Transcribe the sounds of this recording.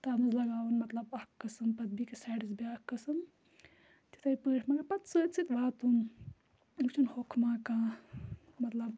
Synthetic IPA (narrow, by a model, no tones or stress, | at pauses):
t̪aːmɨzlɐɡaːwunmɐt̪lɐbɐkːɐsɨmpɐd̪̚bikesaːɖisbiakːɐsɨm | t̪it̪ʰajipəːʈʰmãkapɐt̪sɨːt̪t͡sʰit̪baːt̪um | t͡ʃʰunhokʰmãːkãː | mɐt̪lɐb